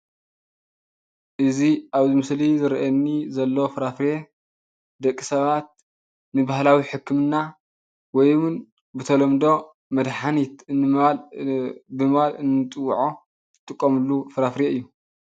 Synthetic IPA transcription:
ʔɨziaβzɨmɨslizɨɾiʔɐnːizɐlːofɨɾafɾe | d̪ɐkʼːi̥sɐβat̪̚ | nɨbahlawiħɨkːɨmɨnːa | wɔjwɨn | bɨt̪ʰɐlomd̪o̞ | mɐd̪ħanit̪ɨnɨal | bɨmβalɨnːɨt̪ʼɨwːʕo | t̪ʼɨkʼːomɨlːufɨɾafɾeɨjːu

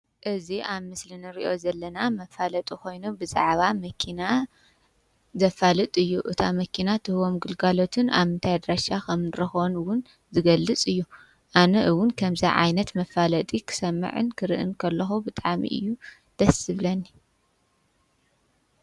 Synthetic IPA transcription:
ʔɨziʔaβmɨslinɨɾḭʔo̞zɐlːɐnamɐfalɐt̪ʼiko̞jnubɨza̰ʕβamɐkʰina | zɐfalɨt̪ʼɨjːuʔɨt̪ʰamɐkʰinat̪ʰɨhɨwomɡɨlɡalo̞t̪ʰɨna̰βɨnt̪ʰajd̪ɾaʃakʰɐmnɨɾɐxnwʊn | zɨɡɐlːɨt͡sʼɨjːu | ʔanɐʔɨwʊnkʰɐmzɐʕa̰jnɐt̪mɐfalɐt̪ʼikʰɨ̥sɐmːɐ̰ʕɨ̰nkʰɨɾɨ̰ʔɨ̰nkʰɐlːɐxubɨt̪ʼaʕmḭʔɨ̰jːu | d̪̥ɐsɨβlɐnːi

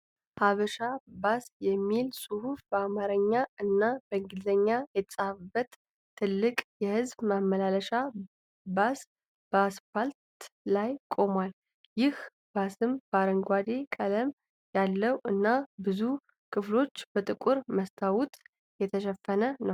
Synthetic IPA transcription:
haβəʃabasjɛmːilsʼuhufbəamaɾəɲːaɨnːab̥əɨŋɡɨlzəɲːajɛt̪ʰəsʼafɨbːət̪ʰː | ɨlːɨkʼjɛhɨzbmaməlaləʃa | bas | b̥əasfalt̪lajkʼo̞mwal | jɪh | b̥asɨmbəaɾəŋɡʷad̪e̞kʼələm | jalːəwɨnːabɨzu | kʰɨflo̞t͡ʃːb̥ət̪ʼɨkʼuɾməst̪ʰawut̪ʼ | jɛt̪ʰəʃɛfːənənəw

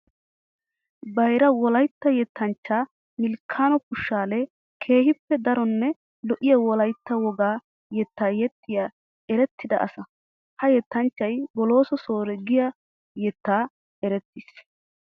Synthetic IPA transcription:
bɐjɾɐwɔlɐjt̪ːɐjɛt̪ːɐnt͡ʃːaː | mɪlkʰaːnɔkʊʃːaːlɛ | kʰe̞ːhɪpːɛd̪ɐɾɔnːɛ | lɔʔɪjɐwɔlɐjt̪ːɐwɔɡaː | jɛt̪ːaːjɛt̪ːɪja | ɛɾɛt̪ːɪd̪ɐʔɐsɐ | hɐjɛt̪ːɐnt͡ʃːɐjbɔlo̞ːsɔso̞ːɾɛɡɪjɐ | jɛt̪ːaː | ɛɾɛt̪ːɪs

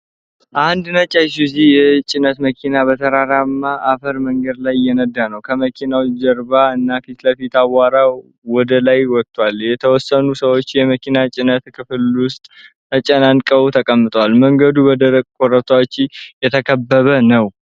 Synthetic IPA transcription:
ʔand̪nət͡ʃʼajsuzijɛt͡ʃʼɪnət̪məkʰinabət̪ʰəɾaɾamːaʔafəɾməŋɡəd̪lajjːɛnəd̪ːanəwkʰəməkʰinawd͡ʒəɾbaɨnːafit̪ləfit̪awːaɾa | wɔd̪əlajwɔt̪ʰʼːwaljɛt̪ʰəwɔsːənusəwot͡ʃːjɛməkʰinat͡ʃʼɪnət̪kʰɨfɨlwʊst̪ʼ | ət͡ʃʼənankʼəwt̪ʰəkʼəmːɨt̪ʼwalməŋɡəd̪ubəd̪əɾəkʼkʼoɾət̪ʰat͡ʃːɪjɛt̪ʰəkʰəbːəβənəw

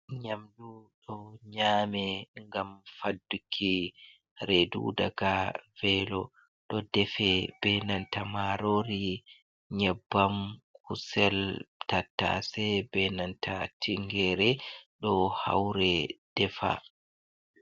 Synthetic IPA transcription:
ɲamduɗɔɲaːmɛŋɡamfadːukʰːi | ɾedṵdaɡavɛlɔ | ɗɔdɛfɛbɛnantamaɾoɾi | ɲɛbːamkusɛltatːa̰sɛbɛnantʰatʰiŋɡɛɾɛɗɔha̰wɾɛd̥ɛfa̰

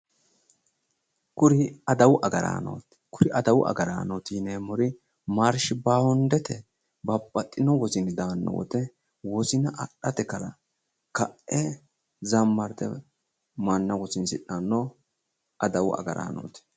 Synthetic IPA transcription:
kʊɾɪɐd̪ɐwʊʔɐɡɐɾa̰ːno̰ːt̪ɛ̥kʊɾɪʔɐd̪ɐwʊʔɐ̰ɡɐɾa̰ːnɔt̪iːnemɔɾɪ | maɾʃɪbaːhɔnd̪ɛt̪ɛ | bɐpʼːɐt̪ʼːɪnɔwɔzɪnɪd̪aːnːɔ̰wɔ̰t̪ɛ | wɔsɪnɐʔɐɗːɐt̪ɛkɐlɐ̰ | kɐʔʔɛ | zɐmːɐɾt̪ɛ̰ | mɐnːɐwɔsɪnsɪᶑɐnːɔ | ʔɐd̪ɐwʊʔɐ̰ɡɐɾa̰ːno̰ːt̪ɛ̥

